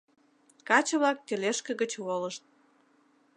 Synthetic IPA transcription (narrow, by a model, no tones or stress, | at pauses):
kɑt͡ɕə̆βlɑk̚t̪ĕleʃkə̆ɣət͡ɕwoləʃt̪̚